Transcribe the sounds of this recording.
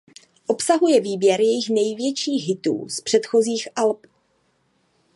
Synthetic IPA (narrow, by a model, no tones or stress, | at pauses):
ʔo̞psaɦujɛviːbjɛɾjɛjɪxnɛjvjɛt͡ʃiːɣɦɪt̪ṵːspr̝̥ɛt̪xoziːxʔalp